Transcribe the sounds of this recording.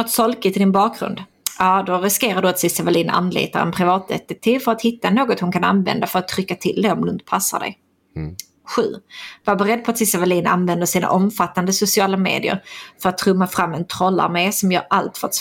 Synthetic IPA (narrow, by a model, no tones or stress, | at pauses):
nɔt̪ːsɔlkɪt̪ʰɪld̪ɪnbɑːk̚ɡɾɵ̰nd̪ | jɑːd̪ɔɾɪskeːɾaɖɵat̪sɪsavaliːna̰nːlḭːt̪a̰ɾɛ̰npʰɾɪvɑːt̪̚d̪ɛ̰t̪ːɪk̚t̪ʰiːvfœɾat̪hɪt̪ːanoːɡɔt̪hʊnkʰana̰nvɛ̰nd̪afœɾat̪ʰːɾʏkːat̪ʰɪld̪ɛɔmd̪ɵnt̪ə̥pʰasːa̰d̪ɛ̰j | ɧʉ̟̰ːvaɾbɛɾɛd̪ːpʰɔat̪sɪsavaliːna̰nvɛnd̪əsiːna̰ʔɔmfat̪ːand̪əsʊsɪɑːlamḛːd̪ɪə̰ɾfœɾat̪ʰːɾɵmːafɾamːɛnt̪ʰɾɔlːa̰ɾmeːsɔmjœ̰ːɾalt̪fœɾa